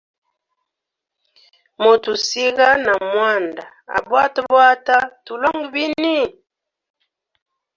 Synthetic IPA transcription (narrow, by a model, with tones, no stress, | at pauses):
mo˨tu˨si˦ɣa˦na˨mwa˦˨nda˨a̰˨bwa˦ta˦bwa˦ta˦tu˨lɔ˦ŋɡi˨bi˦ni˦